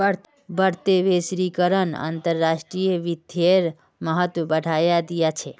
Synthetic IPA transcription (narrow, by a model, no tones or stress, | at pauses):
bəɽ̤t̪eʋesɾikəɾəna̰ːnt̪əɾːaʃʈɾijəʋid̪ʱjeɾ | məɦət̪ʋəbəɽʱajad̪ijat͡ʃʰe